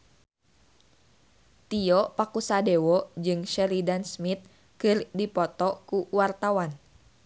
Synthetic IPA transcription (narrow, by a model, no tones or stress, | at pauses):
t̪iɔpakusadewɔd͡ʒɨŋʃɛlidansmit̪̚ | kɨrdipɔt̪ɔkuwart̪awan